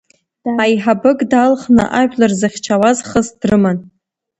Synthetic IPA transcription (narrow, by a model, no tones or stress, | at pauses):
ajħabɨkʼdalχnɨ̰ʔaʒᶣlarzɨχʲt͡ʃʰawazχəzd̥rɨman